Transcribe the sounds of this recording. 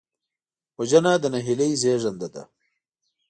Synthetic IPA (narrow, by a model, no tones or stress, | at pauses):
wod͡ʑɐnaːd̪ɐnɐɦilɐjzeːʐɐnd̪ɐd̪ɐ̰